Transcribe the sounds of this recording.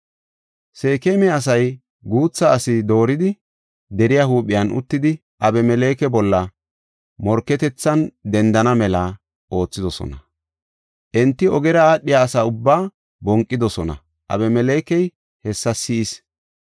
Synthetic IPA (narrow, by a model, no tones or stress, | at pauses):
se̞ːkemɛɐs̬ɐj | ɡuːt͡sːɐːsɪd̪o̞ːɾɪd̪ɪ | d̪ɛɾɪjahuːɓɪjɐnʔʊ̰t̪ːɪd̪ɪ | ʔɐbɛmɛleːkɛbɔlːɐ | mɔɾkːɛt̪ɛt͡sːɐnd̪ɛnd̪ɐnɐmɛlɐ | ʔo̞ːt͡sːɪd̪ɔsɔ̰nɐ | ʔɛnt̪ːɪɔɡɛɾɐaːɗɪjaːsaːʊbːaː | bɔŋkʼːɪd̪ɔsɔnɐ̰ | ʔɐ̰bɛmɛleːkɛj | hɛsːɐsɪɪs